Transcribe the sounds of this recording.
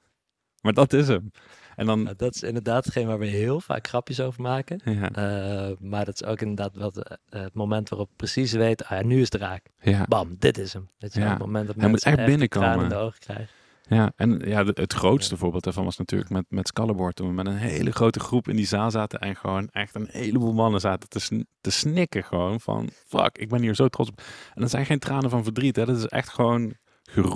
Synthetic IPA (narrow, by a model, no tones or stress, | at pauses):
maːɹdɑtɪs̬əmʔɛndɑnnadɑtɪ̥sɪ̰ndəɹdaːtətχejnəʋaːɹʋəɦɪːlˠfa̰ːkχrɑpjəsowvəɹmaːkəja | maːɹdɑtɪ̥so̰wkɪndəɹdaːtʋɑtətmomɛntʋaːrɔpəprəsisʋejtəojanyɪsdəraːk | jabɑmdɪtɪsəmetamo̰mɛndɑtmɛjmutɛxbɪnəkoraːnmɪəndəowχə̥krɛ̰jχ | jaːʔɛnjaːətχrowtstəvʊːɹbeɪːlˠdaɹvɑnʋɑsnaty̰ːɹləkmɛtmɛtskɑlˠəbɔɹtəmmɛnənɦḛjləχrowtəχrupɪ̰ndizaːlˠzaːtəʔɛnχəʋownɛxtənhḛjləbuːlˠmɑnəzaːtətəstəsnɪkəχəʋownvɑ̰nfɑ̰kɪɡ̚bɛnɦiːɹzowtrɔtsɔp̚ɛndəzɛjnχejntraːnəvɑnvəɹdritɦɛdɑtɪsɛ̰xtxəʋown | χə